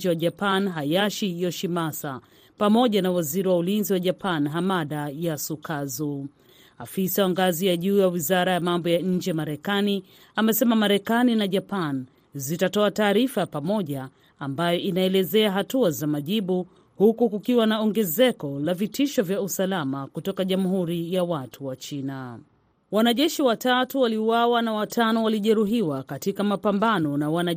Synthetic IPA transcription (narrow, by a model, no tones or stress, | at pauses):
d͡ʒɛwaʄapanɦajaʃijɔʃimasa | pamɔʄanawaziɾiwaulinziwaʄapanɦamaɗajasukʰazu | afisawaŋɡazijaʄuːjawizaɾajamambɔjaɲ̩d͡ʒɛmaɾɛkani | amɛsɛmamaɾɛkaninaʄapan | zitatɔataːɾifapamɔʄaː | mbajɔʔinaɛlɛzɛaɦatuazamaʄiɓu | hukukukiwanaɔŋɡɛzɛkɔlavitiʃɔvjausalamakutɔkaʄamuɦuɾijawatʰuwat͡ʃina | wanaʄɛʃiwatatuwaliwawanawatʰanɔwaliʄɛɾuɦiwakatikamapambanɔnawana